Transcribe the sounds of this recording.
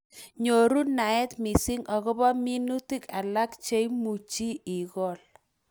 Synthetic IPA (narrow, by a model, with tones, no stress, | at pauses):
ɲo˨ɾu˦na˨ɛ˦t̪mi˨sɪ˦ŋɔ˨ɣɔ˦bɔ˦mi˦nu˦ti˦ka˨la˦kt͡ʃe˦jmu˨t͡ʃi˦i˨ɣɔ˦˨l